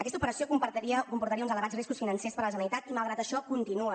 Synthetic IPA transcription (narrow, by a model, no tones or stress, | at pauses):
əkɛst̪upəɾəsiokumpət̪iəkumpuɾt̪əɾiəunzələɣad͡zriskusfinənsespəɾləs̬ənit̪at̪imalˠɣɾat̪əʃɔkunt̪inuə